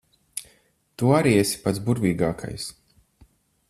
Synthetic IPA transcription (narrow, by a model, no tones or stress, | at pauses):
t̪uaɾiɛsi̥pat̪sbuɾviːɡaːkʰa̰js